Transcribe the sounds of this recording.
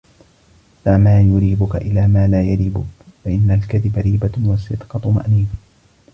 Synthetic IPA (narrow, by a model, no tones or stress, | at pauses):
famaːjʊɾiːbʊka̰ʔɪlaːmaːlaːjaɾiːbʊ̰kfaʔɪnːalkaðɪbaɾiːbawɑsɪd̪qɑt̪ma̰ʔniːfa